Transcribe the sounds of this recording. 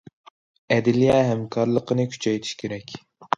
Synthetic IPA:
ɛd̪ɪlijɛɦɛmkʰɑɾlˠəqənɨkʲʰy̥t͡ʃʰɛjt̪ʰi̥ʃkʲʰeɾɛkʲ

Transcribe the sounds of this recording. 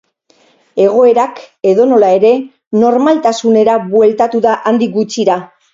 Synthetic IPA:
e̞ɣ̞o̞e̞ɾake̞ðo̞no̞lae̞ɾe̞ | no̞ɾmalt̪asune̞ɾaβwe̞lt̪at̪uðaʔand̪ik̚ɡut͡ʃiɾa

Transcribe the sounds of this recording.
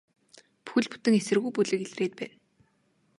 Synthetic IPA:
pu̥xɘ̆ɮpu̥t̪ɘ̆ŋesɘ̆rɣujpuɮɘ̆keɮreːt̪̚pæːn

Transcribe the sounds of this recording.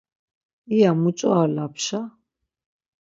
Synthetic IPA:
ijamut͡sʼwalapʰʃa

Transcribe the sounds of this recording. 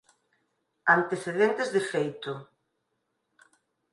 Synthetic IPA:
ant̪eθeðent̪ezðefejt̪ʊ

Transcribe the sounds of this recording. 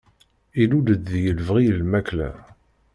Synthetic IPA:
ilud̪əd̪ðjəlvʁiəlmæklæ̰

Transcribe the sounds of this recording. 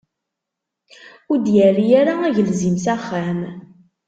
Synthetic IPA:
ʊɾd̪jælijæɾaæʝəlzimsæχːæm

